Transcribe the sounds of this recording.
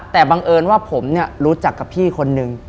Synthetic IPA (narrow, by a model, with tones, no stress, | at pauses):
t̪ɛː˨˩baː˧ŋʔɤː˧nwaː˥˩pʰo˩˦mni˥˩ɐɾuː˦˥t͡ɕa˨˩kːa˨˩pʰiː˥˩kʰo˧nːɯ˧ŋ